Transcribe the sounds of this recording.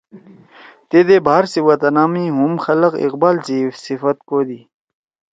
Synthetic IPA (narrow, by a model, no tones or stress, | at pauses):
t̪ed̪ebʱaːɾsiwɐt̪ɐnaːmiɦumxɐlɐqḭqbaːlt͡sisifɐt̪̚koːd̪iː